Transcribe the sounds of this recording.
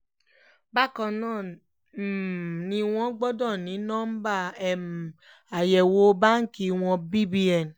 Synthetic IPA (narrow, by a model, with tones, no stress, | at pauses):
ba˦kɔ̃˧nãː˦˨ | nĩ˧w̃ɔ̃˦ɡ͡bɔ˦dɔ̃˦˨nĩ˨˦nɔ̃˦m̩˦ba˦ɛ˨m˨ | a˨jɛ˨wo˨˦ba˦ŋ̩˦ki˧w̃ɔ̃˧bi˦bi˦ɛ˨n˨